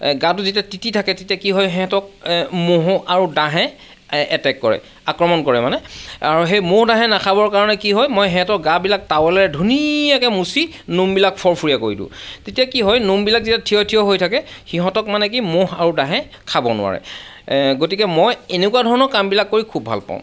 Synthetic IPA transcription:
ɡat̬ʊzitiatititʰakɛtetijakiɦɔjɦɛ̃tɔk̚moɦɔʔaɹudãɦɛ | ɛtɛkːɔɹɛ̰ | akɹɔmɔnkɔɹɛmanɛaɹuɦejmohdãɦɛnakʰabɔɹkaɹɔnɛkiɦɔjmɔjɦɛ̃tɔkɡabilak̚tawɛlɛɹɛdʱunijakɛmusi | numbilak̚pʰɔɹpʰuɹijakoɹidṵ̃tetiakiɦɔjnumbilak̚zitjatʰiɔtʰijɔɦojtʰakɛxiɦɔ̃tɔkmanɛk̬imohaɹudãɦɛ̃ | kʰabɔ̰nʊ̰a̰ɹɛ̰ | ɡotikɛmɔjenekuwadʱɔɹɔnɔkambilakːoɹikʰubʱa̰lpã̰ʊ̃

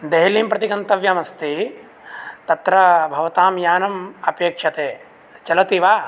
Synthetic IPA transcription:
d̪eɦɐliːmpɾɐt̪ikɐnt̪ɐʋjɐmɐst̪i | t̪ɐt̪ɾɐbʱɐʋɐt̪aːmjaːnɐmɐpeːkʂɐt̪eː | t͡ʃɐlɐt̪iʋaː

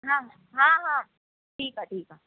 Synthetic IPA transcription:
ɦãː | ɦãːɦãː | ʈʰiːkɦaːʈʰiːkɦaː

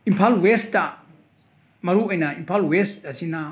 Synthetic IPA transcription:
impʰalwest̪a | maɾuʔanaimpʰalwest̪asina

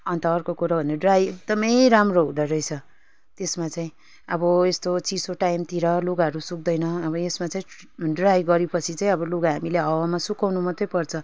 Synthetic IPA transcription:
ʌnt̪ʌːrkokuɾabʱʌneʌɖrajek̚d̪ʌmʌjɾamroɦũd̪ʌɾʌjt͡sʰʌ | t̪esmat͡saĩ | ʌbʌest̪ot͡sisoʈajmt̪iɾʌloɡaɦʌɾusuk̚d̪ʌjnʌʌbʌesmat͡saĩ | ɖrajɡʌɾipʌt͡sʰit͡saĩʌbʌluɡaɦamileɦʌwamasukawnumʌt̪ʌjpʌrt͡sʰʌ

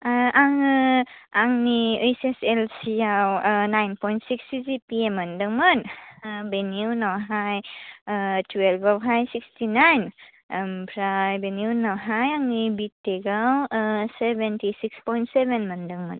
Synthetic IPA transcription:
ʔaŋ | aŋniɯjseselsiawnajnpɔjntsikstizipiemːəndɯŋmənbeniunawɦaj | tʰwelbawɦajsikstinajn | mpʰɾajbenjunawɦajaŋnibitːeɡawsebentisikspɔjntsebenməndəŋmən

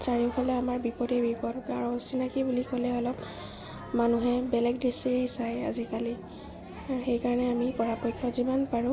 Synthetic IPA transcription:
saɹiʊpʰalɛamaɹbipɔdɛbipɔdkaɹɔ̃sinakibulikɔlɛɔlɔp | manuɦɛbɛlɛɡdɹisiɹejsaja̰zikali | axejkaɹɔnɛamipɔɹapɔjkʰːɔzimanpaɹʊ̃

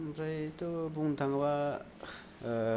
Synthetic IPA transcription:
mpɾajtubuŋt̪ʰaŋba

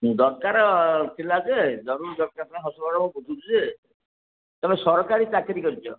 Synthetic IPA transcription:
d̪ɔɾkaɾɔt̪ʰilad͡ʒed͡ʒɔɾuɾd̪ɔɾkaɾt̪ɦɔsubɔɾɔmɔkot̪ʰut̪uze | t̪emsɔɾɔkaɾit͡ʃakɾikɔɾit͡ʃʰɔ

